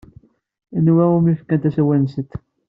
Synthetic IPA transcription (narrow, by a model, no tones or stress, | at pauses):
ənwæumifkænt̪æsæwænsət̪ː